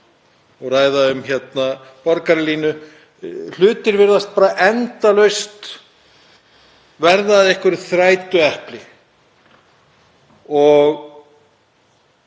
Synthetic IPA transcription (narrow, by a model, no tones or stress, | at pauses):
ɔɣraːjðaʏmçɛt̪napɔɾkaɾɪliːnʏ | l̥ʏːt̪ɪɾvɪɾðast̪̚paːɾaʔɛnt̪alœɥst̪ | vɛɾðaðɪehkʏɾθɾaːjt̪ʏɛhplɪ | ɔɣ